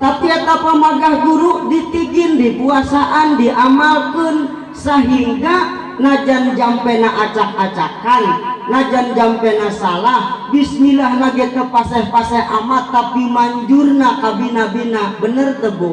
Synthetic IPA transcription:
t̪apiat̪apamaɡahɡuɾuʔdit̪iɡɪndipuasaʔandiʔamalkən | səɦiŋɡa | nad͡ʒand͡ʒampɛnaʔat͡ʃak̚at͡ʃakanːad͡ʒand͡ʒampɛnasalahbisnilahnaɡɛt̪əpasɛhpasɛhamat̪ːapimaɲd͡ʒurnakabinabinabənərt̪əbo

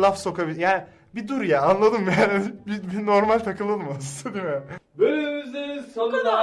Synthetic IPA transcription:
lˠafso̞kabilʲjaːnɪ | bid̪uɾjaːnlˠad̪ɯmjaːnibibino̞ɾmalʲt̪ʰakɯlˠːad̪ɯmasɯnd̪ad̪imɛbønymyzisonɾad̪a

